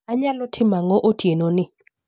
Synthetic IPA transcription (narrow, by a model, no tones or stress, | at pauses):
aɲalɔtʰɪmaŋɔʔotʰjenonɪ